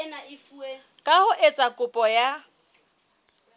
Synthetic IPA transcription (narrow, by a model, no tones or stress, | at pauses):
naɪfue | kʼahʊʔet͡sʼakʼʊpʼɔja